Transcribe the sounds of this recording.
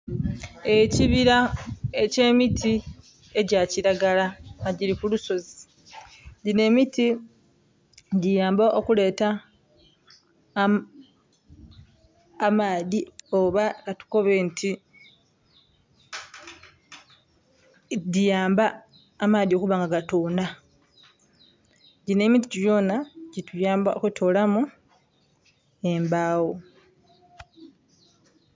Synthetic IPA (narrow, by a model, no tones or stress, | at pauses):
e̞ciβiɾaece̞ːmitʰi | e̞ɟaːciɾaɡalaaɟiɾikuluso̞zi | dine̞miti | dijaːmbaʔokule̞ːta | maːðioβakatu̥ko̞βe̞ntʰi | dijaːmbaː | maːðio̞kuβaːŋɡaɡatoːnda | ɟine̞ːmit̬icujo̞naɟitujaːmbao̰ketʰo̞ːlamu | embaːwo